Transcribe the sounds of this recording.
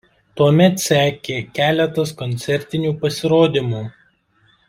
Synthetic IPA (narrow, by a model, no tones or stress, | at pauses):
t̪uɔmʲɛt̪sʲæːkʲeːkʲæːlʲɛt̪ɐskɔnʲt̪sʲɛɾʲt̪ʲɪnʲuːpɐsʲɪɾoːd̪ʲɪmuː